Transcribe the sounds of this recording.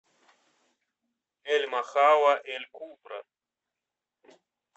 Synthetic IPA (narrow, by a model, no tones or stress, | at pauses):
elmaxawaʔelkumpɾa̰